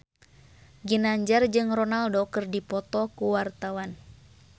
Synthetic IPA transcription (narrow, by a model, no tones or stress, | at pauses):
ɡinaɲd͡ʒard͡ʒɨŋrɔnaldokɨrdipɔt̪ɔkuwart̪awan